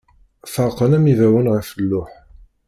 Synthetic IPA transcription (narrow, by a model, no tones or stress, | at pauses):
fəɾqənæmivæwənʁəfəlːʊħ